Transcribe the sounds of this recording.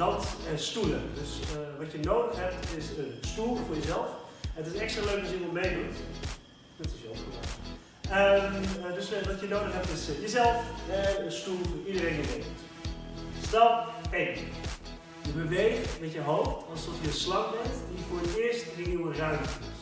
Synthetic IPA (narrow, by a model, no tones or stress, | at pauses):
ɑntɛnstulədøsəʋɑtjənowdəxɦɛp̚tɪsənstulˠfʊːɹjəzɛlˠfɛnətɪsnɛkstraløɥkɔsjənɔmejdutɛ̰̥ | ətɪsjola̰ | ədøsəʋɑtjənowdəxɦɛp̚tɪsjəzɛlˠfɛnənstulˠvʊːɹidəɾẽjnəʋeː | stɑpɛ | jəbəʋejxmɛtjəɦowftɑlˠsdɔtjəslɑŋbɛntdiəfʊːɹətɪəɹstrɪuwərœɥmtɪt